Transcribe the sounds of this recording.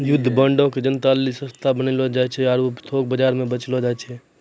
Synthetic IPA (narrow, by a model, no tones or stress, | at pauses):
jʊd̪ʱːbə̃ːɳɖõked͡ʒənt̪aːlisə̃st̪ʰabənilod͡ʒaːt͡ʃʰɛaɾopt̪ʰoːk̚bəd͡ʒaːɾmẽbət͡ʃlod͡ʒaːt͡ʃʰɛː